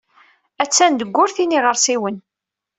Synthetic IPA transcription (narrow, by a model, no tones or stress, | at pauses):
æt͡sːænd̪əɡʷːʊɾθiniʁəɾsiwən